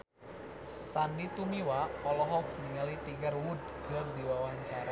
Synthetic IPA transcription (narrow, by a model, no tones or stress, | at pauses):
sandit̪umiwaɔlɔɦɔk̚niŋalit̪iŋərwud̪̚ɡ̥ərd̪iwawaɲt͡ʃaɾa